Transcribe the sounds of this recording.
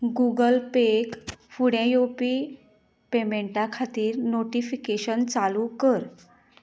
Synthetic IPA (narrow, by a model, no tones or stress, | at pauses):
ɡuɡəlpekfuɽẽjopi | pemeɳʈakʰat̪iːɾnoʈifikeɕənt͡salukəɾ